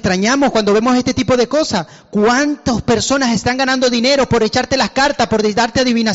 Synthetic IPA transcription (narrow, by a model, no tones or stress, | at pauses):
t̪ɾaɲamoskwand̪o̞βe̞mo̞s̬e̞st̪e̞t̪ipo̞ðe̞ko̞sas | kwant̪ospe̞ɾso̞nase̞st̪aŋɡanand̪o̞ðine̞ɾo̞po̞ɾe̞t͡ʃaɾt̪e̞laskaɾt̪aspo̞ɾðed̪aɾt̪eaðiβina